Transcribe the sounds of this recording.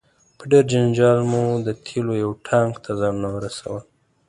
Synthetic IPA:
pəɖeɾd͡ʒand͡ʒɑlmud̪ət̪ʰelojawʈʰaŋɡt̪ʰazɑnunawəɾasa̰wəl

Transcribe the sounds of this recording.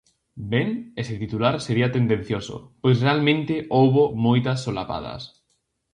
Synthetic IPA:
beŋesɪt̪it̪ulaɾseɾiat̪end̪ẽn̟θjoso̰pojsrealmẽnt̪ɪʔowβomojt̪ɐsːolapa̰ðɐ̰s

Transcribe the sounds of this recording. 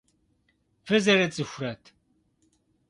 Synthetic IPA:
fɨzɐrɐt͡sʼɨxʷʊrɐtʰ

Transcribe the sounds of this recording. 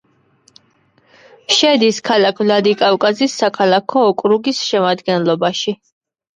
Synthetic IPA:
ʃɛd̪iskʰalakʰvlad̪ikʼafkʼazisːakʰalakʰɔːkʼɾuɡisʃɛmad̪ɡɛnlˠɔbaʃi

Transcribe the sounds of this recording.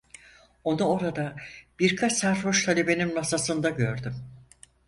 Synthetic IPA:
o̞nuo̞ɾad̪ab̥iɾkʰat͡ʃsæɾfoʃt̪ʰalʲe̞be̞ninmasasɯnd̪aɟø̞ɾd̪ym

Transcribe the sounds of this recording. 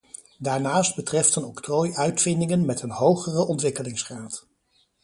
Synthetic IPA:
daːɹnaːsd̚bətrɛftənɔktrojœɥtfɪndɪŋənmɛtənɦowχərəɔntʋɪkəlɪŋsχraːt

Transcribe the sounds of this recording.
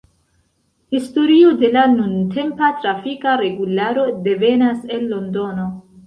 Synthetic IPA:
histo̞ɾiode̞lanuntʰe̞mpatɾafikaɾe̞ɡulaɾo̞de̞ve̞nase̞nlo̞ndo̞no̞

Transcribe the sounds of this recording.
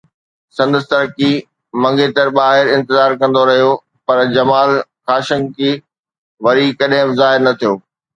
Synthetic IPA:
sɐ̃nd̪əst̪ɐɾki | mɐ̃ŋɡet̪ɐɾɓaːɦɪɾɪ̃nt̪ɪzaːɾkɐ̃n̆d̪oɾɐɦijo | pɐɾd͡ʑɐmaːlxaːʃə̃ŋɡki | ʋɐɾikɐɗɦɪ̃bzaːɦɪɾnɐt̪ʰijoː

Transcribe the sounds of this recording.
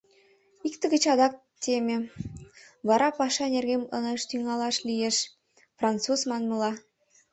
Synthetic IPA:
ikt̪ə̆ɣə̆t͡ɕɑd̪ɑk̚ | t̪emʲĕ | βɑɾɑpɑʃɑnʲerɣemɤ̰nɑʃt̪yŋɑlɑʃlijeʃ | frɑnt͡suzmɑnmɤ̆lɑ

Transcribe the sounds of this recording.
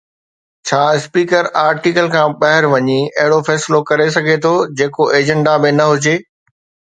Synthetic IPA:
t͡ɕʰaːɪspiːkəɾaːɾʈikəlkʰãːɓɐɦɪɾʋɐɲiɐɦɪɽofɛːsɪlokɐɾes̬ɐɡʱet̪ʰod͡ʑeːkoʔeːd͡ʑə̃ɳɖabɪnɐɦʊd͡ʑeː

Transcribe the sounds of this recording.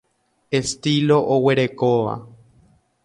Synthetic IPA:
e̞st̪ilo̞ʔowe̞ɾe̞koʋa̰

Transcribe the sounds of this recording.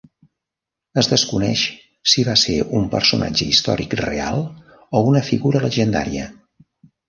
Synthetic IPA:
əzðəskunɛʃ | siβaseumpə̰rsuna̰d͡ʒəist̪ɔɾikrea̰lˠ | ounəfiɣuɾələʒənd̪a̰ɾiə

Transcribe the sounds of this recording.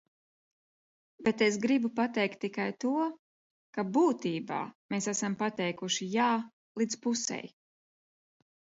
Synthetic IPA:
bet̪es̬ɡɾibupat̪ɛjk̚t̪ːikajt̪uɔ | kabuːt̪iːba̰ːmeːsæsampat̪ɛjkuʃijaː | lˠid̪zpusɛ̰j

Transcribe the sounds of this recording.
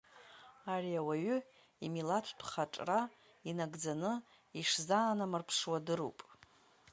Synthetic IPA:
ariawaɥʏ | imilatʷʰtʷʰχaʈ͡ʂʼra | inaɡd͡zanɨ | iʂzanamɨrpʰʂwadɨɾṵpʼ

